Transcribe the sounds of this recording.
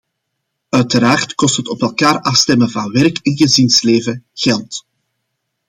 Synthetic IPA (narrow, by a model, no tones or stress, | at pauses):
œɥtəɾaːrtkɔstɦətɔpɛlˠkaːrɑfstɛmənvɑnwɛrkɪnɣəzinsleːvəɣɛlˠt